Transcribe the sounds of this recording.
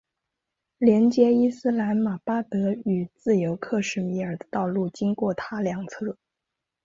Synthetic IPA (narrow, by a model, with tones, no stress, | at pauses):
ljɛ˧˥nt͡ɕjɛ˥i˥sɹ̩˥la˧˥nma˨˩pa˥t̪ɤ˧˥y˨˩t͡sɹ̩˥˩jo˧˥ʊkʰɤ˥˧ʂɻ̩˥˩mi˧˥ə˞˨˩d̪ə˦t̪ɑ˥˧ʊlu˥˩t͡ɕi˥ŋkwɔ˥˩t̪ʰa˥ljɑ˨˩ŋt͡sʰɤ˥˩